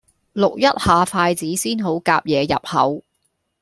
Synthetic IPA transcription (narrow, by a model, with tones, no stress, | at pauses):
lʊ˨k̚jɐ˥t̚haː˨˧faː˧jt͡siː˨˥siː˥nɦo˨˥wkaː˧p̚jɛː˨˧jɐ̰˨p̚hɐ̰˨˥w